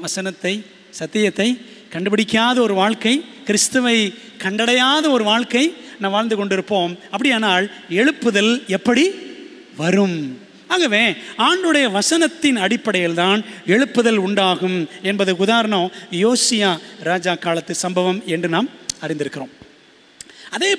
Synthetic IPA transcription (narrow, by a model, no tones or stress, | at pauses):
ʋɐsɐnɐt̪ːɐɪ | sɐt̪ːɪjɐt̪ːɐɪkɐɳɖɯbɐɽɪkːɪaːðɐɔɾɯʋaːɻkɐɪkɪɾɪst̪ɯʋɐɪ | kɐɳɖɐɽɐjaːðɐɔɾɯʋaːɭkɐɪnãːʋaːɻnd̪ɯkɔɳɖɪɾɯpːoːmɐpːɐɽɪjaːnaːl | ɛɻɯpːɯðɐlɛpːɐɽi | ʋɐɾɯm | aːɣɐʋeːaːɳɖɯɽɐjɐʋɐsɐnɐt̪ːɪnɐɽɪpːɐɽɐjɪlt̪aːnɛɻɯpːɯðɐlʊɳɖaːɣɯmɛnbɐðɯkʊðaːɾɐnõːjoːsɪjaːɾaːd͡ʒaːkaːlɐt̪ːɯsɐmbɐʋɐmɛndrɯnaːmɐɾɪ̃nd̪ɪɾɯkːɪɾoːm | ɐðeː